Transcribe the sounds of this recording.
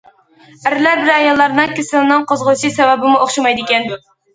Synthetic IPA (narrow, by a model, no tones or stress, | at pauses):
æɾɪlæɾbɪɾɛjɑlˠːɑɾnɨŋkʲʰesɪlɪnɨŋqʰozʁʊlˠʃisɛwɛbɪmuoχʃɑmɑjd̪ɪkʲɛnd̪u